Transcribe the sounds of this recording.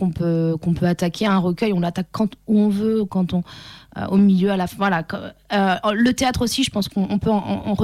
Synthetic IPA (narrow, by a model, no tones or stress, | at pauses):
kɔ̃pøkɔ̃pøat̪akʲʰeɛ̃ʁəkʲœjɔ̃lat̪akːɑ̃t̪uɔ̃vøkɑ̃t̪ɔ̰̃ʔomiljøalafɛ̃vwalakølət̪eat̪χosiʒəpɑ̃skɔ̃ɔ̃pøɑ̃ɑ̰̃ɑ̃ʁə